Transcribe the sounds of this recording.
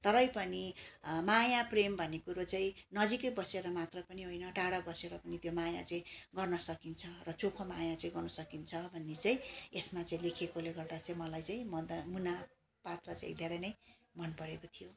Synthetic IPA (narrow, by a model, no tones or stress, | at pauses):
t̪ʌɾʌjpʌnimajaprembʱʌnːekuɾot͡saĩnʌd͡zikʌbʌseɾʌmat̪rʌpʌniɦojnʌɖaɽabʌseɾʌpʌnit̪jomaja̰t͡sʌĩɡʌrnʌsʌkint͡sʰʌrʌt͡sopʰʌmajãt͡saĩɡʌrnʌsʌkint͡sʰʌbʱʌnːet͡saĩesmat͡saĩlekʰekoleɡʌrd̪at͡saĩmʌlajt͡saĩmʌd̪muna | pat̪rʌt͡sa̰ĩd̪ʱeɾʌjnʌjmʌnpʌɾekot̪ʰijo